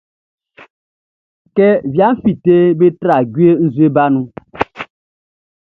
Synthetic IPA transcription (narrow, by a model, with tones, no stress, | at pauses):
kɛ˦vja˨˦m̩˦fi˨te˦be˦tɾa˨ɡi˦e˦n̩˦zwe˦ba˦nu˦